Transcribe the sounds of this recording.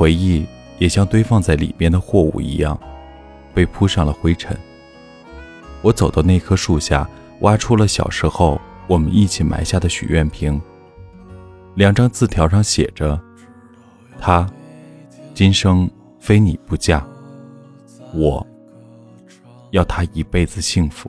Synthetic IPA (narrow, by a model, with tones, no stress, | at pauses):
xwe˧˥ɪi˥˩ | jɛ˨˩ɕjɑ˥ŋt̪we˥ɪfɑ˥˧ŋt͡sa˥˩ɪlḭ˨˩mjɛ˥˩nd̪ə˩xwɔ˥˧ṵ˨˩ḭ˧˥jɑ˥˩ŋ | pe˥˩ɪpʰu˥ʂɑ˥˩ŋlə˩xwe˥ɪʈ͡ʂʰə̰˧˥˦n | wɔ˧˥t͡so˨˩ʊt̪ɑ˥ʊne˥˩ɪkʰɤ˥ʂu˥˧ɕja̰˥˩ | wʔa˥ʈ͡ʂʰu˥lə˨ɕjɑ̰˨˩ʊʂɻ̩˧˥xo˥˩ʊwɔ˨˩mə̰˦ni˥˩t͡ɕʰi˨˩mʔa̰˧˥ɪɕja˥˩d̪ə˩ɕy̰˨˩ɥɛ˥˩npʰi˧˥ŋ | ljɑ˨˩ŋʈ͡ʂɑ˥ŋt͡sɹ̩˥˩t̪ʰjɑ˧˥ʊʂɑ˥ŋɕjɛ̰˨˩ʈ͡ʂə˦ | t̪ʰa˥ | t͡ɕi˥nʂɤ˥ŋ | fe˥ɪni˨˩pu˧˥t͡ɕja˥˩ | wɔ˨˩˦ | jɑ˥˩ʊt̪ʰa˥i˧˥pe˥˩ɪd͡zɹ̩˩ɕi˥˩ŋfu̥˧˥